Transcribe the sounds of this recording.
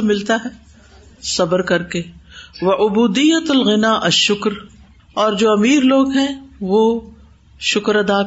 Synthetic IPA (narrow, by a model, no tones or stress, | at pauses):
mɪlt̪aɦɛː | sɐbəɾkɐɾkeʋɐʔʊbuːd̪ijːəɐlɣɪnaːʔɐʃːʊkɾ | ɔːɾd͡ʒoːɐmiːɾloːɡɦɛ̃ʋoː | ʃʊkɾɐd̪aː